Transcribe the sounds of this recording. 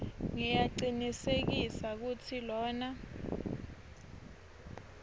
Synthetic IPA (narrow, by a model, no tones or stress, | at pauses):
ŋijaǀinisek̬isak̬utʰilɔːna